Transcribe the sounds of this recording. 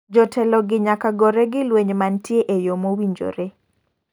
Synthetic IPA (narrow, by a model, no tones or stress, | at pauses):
d͡ʒɔtʰɛlɔɡɪɲakaɡɔɾɛɡɪlweɲmantjeʔejomowiɲd͡ʒo̰ɾe